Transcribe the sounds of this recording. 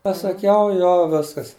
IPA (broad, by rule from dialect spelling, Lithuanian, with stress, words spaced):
pɐsɐˈkʲɛʊ ˈjoː ˈʋʲɪskɐs